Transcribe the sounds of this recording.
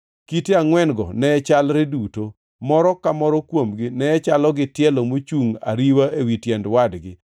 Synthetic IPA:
kiteaŋwɛnɡɔ̰nɛɛt͡ʃalɾɪduto | mɔɾɔkamɔɾɔkwomɡɪnɛːt͡ʃalɔɡɪtjɛlomot͡ʃuŋa̰ɾiwaʔewitjɛndwadɡɪ

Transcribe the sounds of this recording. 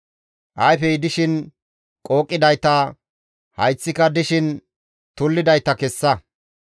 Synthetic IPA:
ʔɐjfɛjɪd̪ɪʃɪn | kʼoːkʼːɪd̪ɐjt̪ɐ | hɐjt͡sːɪkɐd̪ɪʃɪn | t̪ʊlːɪd̪ɐjt̪ːɐkɛsːɐ

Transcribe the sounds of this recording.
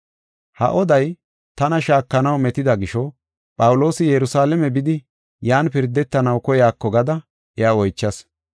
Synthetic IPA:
hɐ̰ʔɔd̪ɐj | t̪ɐnɐʃaːkːɐnɐwmɛt̪ɪd̪ɐɡɪʃɔ | pʼɐwʊlo̞ːsɪjɛɾʊsaːlɛmɛbɪd̪ɪ | jaːnpɪɾd̪ːɛt̪ːɐnɐwkɔjaːkːɔɡɐd̪ɐ | ɛjaːɔjt͡ʃːɐs

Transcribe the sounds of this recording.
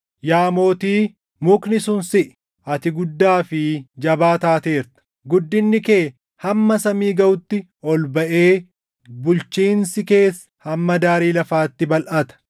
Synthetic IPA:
jaːmo̞ːt̪iː | mʊknɪsʊnsɪʔ | ʔɐt̪ɪɡʊd̪ːaːfɪd͡ʒɐbaːt̪aːt̪e̞ːɾt̪ɐ̥ | ɡʊd̪ːɪnːɪkeː | hɐmːɐsɐmiːɡɐʊt̪ːɪ | ɔlbɐʔeː | bʊlt͡ʃiːnsɪke̞ːsːɐ̥hɐmːɐd̪aːɾiːlɐfaːt̪ːɪbɐlʔɐt̪ɐ̥

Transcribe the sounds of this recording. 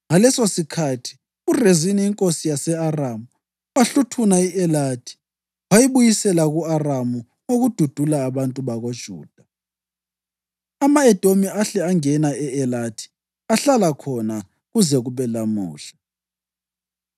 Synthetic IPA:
ŋalɛsosikʰatʰi̥ | ureziniːŋkʼosijasɛaramu | aɬutʰunaiʔɛlatʰi̥ | wajiβujisɛlaɣuaramu | oɣud̥ʱud̥ʱulaːβantʼuβaɣod̥ʒ̥ʱṵːd̥ʱa | amaɛd̥ʱʼomiaɬɛaŋɛnaɛɛlatʰi̥ | aɬalakʰɔna | ɣuzɛɣuβɛlamṵːɬḁ

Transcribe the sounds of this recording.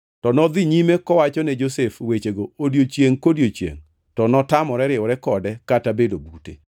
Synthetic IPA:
tɔnɔd̪ɪɲimekɔwat͡ʃɔnɛd͡ʒosefwet͡ʃeɡoodjot͡ʃjeŋkodjot͡ʃjḛŋ | tɔnɔtamɔɾɛɾɪɔɾɛkɔdɛkatabedobutḛ

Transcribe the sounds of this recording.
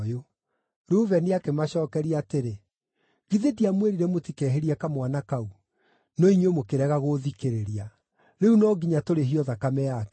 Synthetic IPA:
jo | ɾuːvɛneakemaɕɔːkɛɾiateɾe | ɣiðediamweɾiɾɛmotikɛɦeɾiɛkamwanakau | nɔiɲomokeɾɛɣaɣoðikeɾeɾia | ɾeunɔɡiɲatoɾeɦiɔðakamɛakɛ

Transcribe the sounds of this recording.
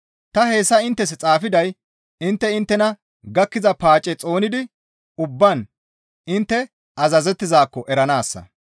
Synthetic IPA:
t̪ɐhe̞ːsːɐɪnt̪ːɛs̬ɛt͡sʼaːfɪd̪ɐj | ɪnt̪ːɛɪnt̪ːɛnɐ | ɡɐkːɪzɐpaːt͡ʃʼːɛt͡sʼo̞ːnɪd̪ɪ | ʊbːɐn | ɪnt̪ːɛ | ɐzɐzɛt̪ːɪzaːkːɔʔɛɾɐnaːsːɐ̰

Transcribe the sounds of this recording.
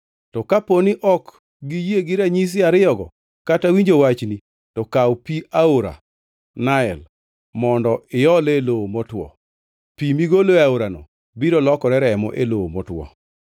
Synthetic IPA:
tɔkaponɪʔɔk | ɡijeɡɪɾaɲis̬ɪaɾɪɔɡɔ̰ | katawiɲd͡ʒowat͡ʃni | tɔkawpiʔaoɾa̰ | naɛl | mɔndɔɪjɔleloomɔtwɔ̰ | pimiɡoloaoɾanɔ̰ | biɾɔlɔkɔɾɛɾɛmɔ̰ʔeloomɔ̰twɔ̰

